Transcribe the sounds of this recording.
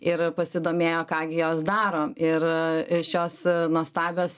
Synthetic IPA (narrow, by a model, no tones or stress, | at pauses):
ɪɾpɐsʲɪd̪oːmʲeːjoːkɑːɡʲɪjoːsd̪ɑːɾoːɪɾʃʲoːsnuɔst̪ɑːbʲoːs